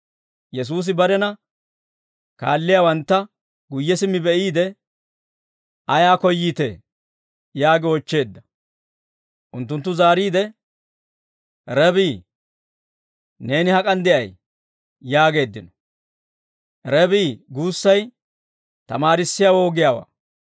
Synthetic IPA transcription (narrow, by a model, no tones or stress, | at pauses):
jɛs̬uːs̬ɪbɐɾɛnɐ | ka̰ːlːɪjaːwɐnt̪ːɐ | ɡʊjːɛsɪmːɪbɛʔiːd̪ɛ | ɐjaːkɔjːiːt̪ɛ̰ | jaːɡɪɔt͡ʃːe̞ːd̪ːɐ | ʔʊnt̪ːʊnt̪ːʊzaːɾiːd̪ɛ | ɾɛbiː | ne̞ːnɪhɐkʼɐnd̪ɪʔɐjː | aːɡe̞ːd̪ːɪnɔ̥ | ɾɛbiːɡuːsːɐj | t̪ɐmaːɾɪsːɪjaːwoːɡɪjaːwa̰ː